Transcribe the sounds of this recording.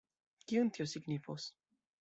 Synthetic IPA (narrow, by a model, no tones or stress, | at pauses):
kiunt̪iosiɡnifos